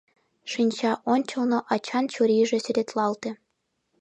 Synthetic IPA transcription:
ʂinʲt͡ɕɑʔonʲt͡ɕɤ̆lˠnoʔɑt͡ɕɑnt͡ɕuɾʲiʒĕsy̆ɾʲet̪lɑlt̪ĕ

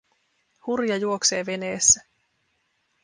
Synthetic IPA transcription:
hurjɑjuo̞kse̞ːʋe̞ne̞ːsːæ

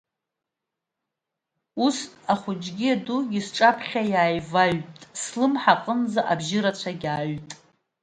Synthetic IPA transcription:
usaχʷʊd͡ʒʼɡʲiaduɡʲɪsʈ͡ʂʼapʰχʲajaːjvaɥtʼslɨmħaqʼənd͡zaʔabʒɪɾat͡ɕʷʰaɡʲaːɥtʼ

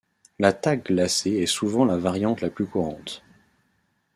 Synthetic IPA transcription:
lat̪ak̚ɡlaseɛsuvɑ̃lavaʁjɑ̃t̪laplykuʁɑ̃t̪

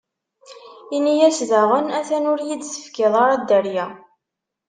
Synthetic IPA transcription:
inijæsðəʁənæθænʊɾjid̪sə̥fkɪðˤɑɾˤɑd̪əɾjæ

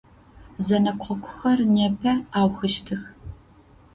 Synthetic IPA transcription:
zɐnɐqʷʰɔkʷʰʊ̥xɐrneːpʰɐaːwxɨʃtʰɨx

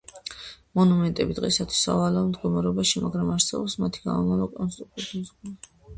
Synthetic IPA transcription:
mɔnumɛnt̪ʼɛbid̪ʁɛsat̪ʰwi̥sa̰valɛamd̪ɡɔmaɾɛɔbaʃimaɡɾamaɾt̪sʰɛbɔpsmat̪ʰiɡ̥a̰mɔmalɔkʼɔnst̪ʼɾukt̪ut̪ʰizɡ̪a

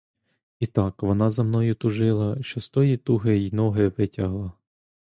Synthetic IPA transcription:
it̪ɑkʋɔnɑzɐmnɔjʊt̪ʊʒɪlˠɐʃt͡ʃɔst̪ɔjit̪uɦɪinɔɦɪʋɪtʲɐɦlˠɐ

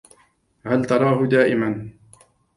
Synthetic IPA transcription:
halt̪ɑɾˤɑːɦʊd̪aːʔɪman

